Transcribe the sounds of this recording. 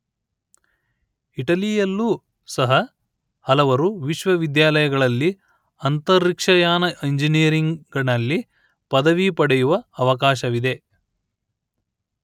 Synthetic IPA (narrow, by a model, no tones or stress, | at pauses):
iʈɐlijɐlːu | sɐɦɐ | hɐlɐʋɐɾuʋiʃʋɐʋid̪jaːlɐjɐɡɐɭɐlːi | ɐnt̪ɐɾːikʂɐjaːnɐʔiɲd͡ʒinijɐɾiŋɡɐɳɐlːi | pɐd̪ɐʋipɐɽɛjuʋɐːʋɐkaːʃɐʋid̪e̞